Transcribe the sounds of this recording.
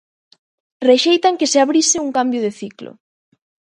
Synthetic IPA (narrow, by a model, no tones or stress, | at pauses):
reʃejt̪aŋkɪseaβɾisɪuŋkambjʊðeθiklʊ̰